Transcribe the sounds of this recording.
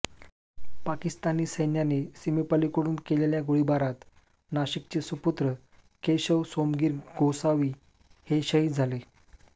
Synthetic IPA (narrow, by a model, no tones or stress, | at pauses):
pakist̪aniːsəjnjanesimepalikoɽuːnkeleljaɡoɭibaɾat̪ | naɕikt͡ɕesuput̪ɾə | keɕəʋsomɡiːɾɡosaʋiː | heɕəɦid͡zʱale